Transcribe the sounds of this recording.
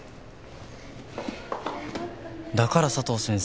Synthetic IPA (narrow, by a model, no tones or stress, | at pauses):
d̪akaɾasat̪o̞ːsẽɰ̃s